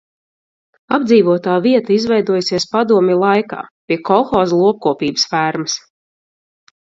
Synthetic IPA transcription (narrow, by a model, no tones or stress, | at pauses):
abd̪ziːvuɔt̪aːviɛt̪aizvɛjd̪uɔjusiɛspad̪uɔmʲɛlˠajka̰ːpʲiɛkɔxɔːzlˠuɔp̚kuɔpiːbə̥sfæːɾmɨs